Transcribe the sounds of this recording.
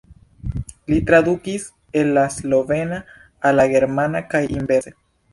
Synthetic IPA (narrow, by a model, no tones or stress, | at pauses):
lit̪ɾaðukis | enlasloβenaː | laɣeɾmanakajʔimbese